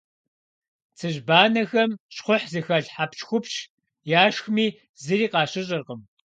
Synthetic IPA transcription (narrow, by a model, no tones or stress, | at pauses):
t͡sʰɨʑbaːnɐxɐmɕχʷʊħzɨxɐɮħapt͡ʃxʷʊpɕ | jaːʃxmiː | zɨɾiːqɑːɕɪɕʼɪrqəm